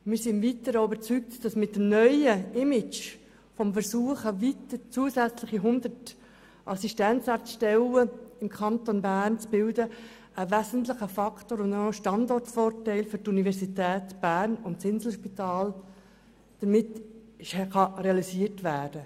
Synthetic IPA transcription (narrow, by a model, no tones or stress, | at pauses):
mɪːɾsɪnvitəɾəybəɾt͡syk̚td̥ɑsmɪtːəmnœʏəɪmɪt͡ʃ | fɔmfəɾsuːəχəvitəɾt͡suəsæt͡slɪχiɦʊnd̪ət | ʔɑsiʃtɛnt͡sɑːtʃtɛləɪmkʰɑntonbæːrnt͡sb̥ɪldə | əvæzəntlɪχəfɑktoːɾʊndoʃtɑndɔrtfɔːrtɛɪlfʏɾtunivɛɾsitɛːtb̥æːɾnʊntsɪnzl̩ʃpitɑːl | d̥əɾmɪt | χɑɾeɑlisiːətʋæːd̥ə